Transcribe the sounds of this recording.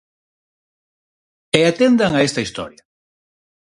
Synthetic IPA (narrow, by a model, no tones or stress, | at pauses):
eat̪end̪aŋaest̪ɐist̪ɔ̰ɾjɐ